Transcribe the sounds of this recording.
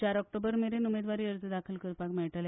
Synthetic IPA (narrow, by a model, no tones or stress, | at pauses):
t͡ɕaɾɔk̚ʈobəɾmeɾenumed̪ʋaɾiːəɾd͡zəd̪akʰəlkəɾpakmɛɭʈəl